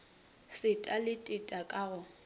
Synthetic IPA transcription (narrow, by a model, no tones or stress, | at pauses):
sɪtʼalɪtʼɪtʼakʼaɣʊ